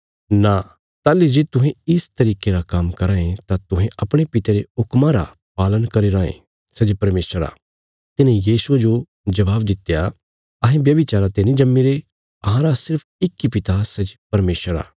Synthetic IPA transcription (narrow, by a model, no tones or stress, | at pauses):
na | t̪aːlid͡ʒeːt̪ʊɦẽɪst̪ɐɾiːkeɾakɐmkɐɾãːẽt̪at̪ʊɦẽʔɐpɽ̃epɪt̪eɾeʊkmãɾa̰ | paːlənkɐɾeɾãːḛ̃ | sɐd͡ʒpɐɾmeːsəɾa̰ː | t̪ɪnẽjiːsued͡ʒo | d͡ʒɐʋaːbd̪ɪt̪ːeja | ɐɦẽbjɐbɪt͡ʃaːɾat̪enĩd͡ʒɐmːiɾe | ɐɦãɾasɪɾpʰɪkːipɪt̪asɐd͡ʒpɐɾmeːsəɾa̰ː